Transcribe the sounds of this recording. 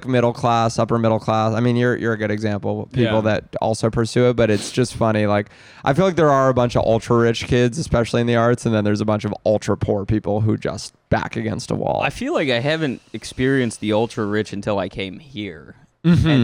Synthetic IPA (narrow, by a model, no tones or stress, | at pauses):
kmɪɾl̩ˠkʰl̥æsʌpə˞mɪɾl̩ˠkʰl̥æsaɪmĩnjə˞jʔə̰˞ɨɡʊɾɨɡzæ̃mpl̩ˠpʰipl̩ˠðɨt̚ɔ̰lˠsoʊpʰə˞sʉɨt̚b̥ʌɾɨtsd̥ʒ̥ʌstfʌñilaɪk | ʔaɪfilaɪk̚ðə˞ə˞əbʌ̃nt͡ʃʌ̰vɔ̰lˠtɹ̥əɹɪt͡ʃkʰɪdzɨspɛʃl̩ˠiɨ̃nðiɑɹtsɨ̃n̩ðɨ̃nðə˞zəbʌ̃nt͡ʃʌvɔlˠtʰɹ̥əpʰuɹpʰipl̩ˠɦud͡ʒʌ̰st̚b̥æ̰kɨɡɛ̰̃nstə̰wɔ̰lˠaɪfilaɪkaɪɦævɨ̃ntɨkspɪɹiɨ̃nst̪̚ðiɔlˠtɹ̥əɹɪt͡ʃɨ̃n̩tʰɪlˠaɪkʰẽɪ̃mhiɹ | ɨ̃